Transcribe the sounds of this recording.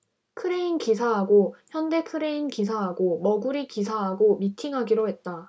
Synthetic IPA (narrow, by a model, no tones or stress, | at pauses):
kʰɯɾe̞inkisʰaɦaɡoçjʌnde̞kʰɯɾe̞inkisʰaɦaɡomʌɡuɾikisʰaɦaɡomitʰiŋɦaɡiɾoɦe̞t̚t͈a